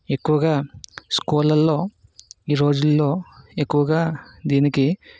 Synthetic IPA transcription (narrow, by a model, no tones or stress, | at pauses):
e̞kːuʋɐɡaːskuːlɐlːo̞ː | iːɾo̞ːd͡ʒulːo̞ːe̞kːuʋɐɡaːd̪iːniki